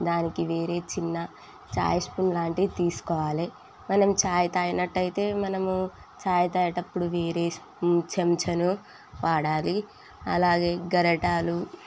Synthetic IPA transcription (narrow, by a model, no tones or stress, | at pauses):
d̪aːnikiʋe̞ːɾe̞ːt͡ʃinːɐ | t͡ʃa̰ːjɐspunlaːɳʈit̪iːsu̥kɔːʋaːli | mɐnɐmut͡ʃaːjɐt̪aːjɐnɐʈːɐjit̪e̞ːmɐnɐmu | t͡ʃaːjɐt̪aːjɐʈɐpːuɽuʋeːɾeːs | t͡ʃɐmt͡ʃɐnu | ʋaːɽaːli | ɐ̰laːɡe̞ːɡɐɾɐʈaːlu